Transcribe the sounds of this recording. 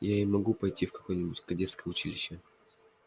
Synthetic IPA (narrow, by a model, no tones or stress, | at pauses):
jaɪmɐɡupɐjtʲifkɐ̥ko̞jnʲɪbʊtʲkɐdʲet̪skəjəʊt͡ɕilʲɪɕːə